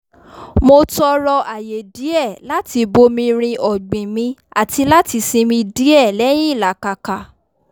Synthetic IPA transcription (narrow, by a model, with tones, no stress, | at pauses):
mo˧tɔ˧ɾɔ˧ʔa˨je˨di˨˦ɛ˦˨la˦ti˧bo˧mĩ˧ɾ̃ĩ˧ʔɔ˨ɡ͡bĩ˨mĩ˧˦a˨ti˧la˦ti˧sĩ˧mĩ˧di˨˦ɛ˦˨lɛ˨˦j̃ĩ˦i˦˨la˨˦ka˨ka˨